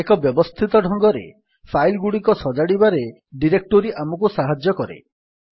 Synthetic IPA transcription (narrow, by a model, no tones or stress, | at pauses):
ekɔbjɔbɔst̪ʰit̪ɔɖʱɔŋɡɔɾḛ | pʰajlɡuɽikɔsɔd͡ʒaɽibaɾe | ɖiɾek̚ʈoɾiʔamɔkusaɦad͡ʒjɔkɔɾḛ